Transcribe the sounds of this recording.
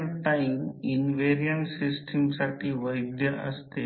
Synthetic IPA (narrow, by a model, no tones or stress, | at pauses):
ɾt̪ãiminʋeɾijəɳsisʈʰimsaʈʰiːʋəjd̪jəə̰st̪e